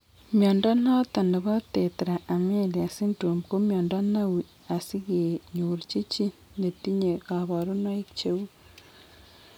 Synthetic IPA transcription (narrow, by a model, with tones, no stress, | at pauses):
mjaː˨nda˦n̥a˦a˦ta˨ne˨βa˦teː˨te˨ɾaː˨me˦li˨a˨si˦ntuː˨mbko˦mjaː˨nda˦na˦wi | a˨si˦ɣi˨jeɲuɾici˦ci˦ | ne˨ti˦ɲe˨ka˨βa˨ɾo˦na˦i˦kcewu˦